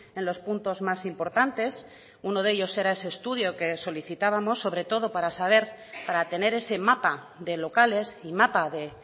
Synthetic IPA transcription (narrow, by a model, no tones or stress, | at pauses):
ẽ̞nlo̞spunt̪o̞zmasimpo̞ɾt̪ant̪e̞s | uno̞ð̞e̞ʎo̞se̞ɾae̞se̞ːst̪uðjo̞ke̞so̞liθit̪aβamosːo̞β̞ɾe̞t̪o̞ð̞o̞paɾasaβe̞ɾpaɾat̪e̞ne̞ɾe̞se̞mapa | ðe̞lo̞kale̞simapaðe̞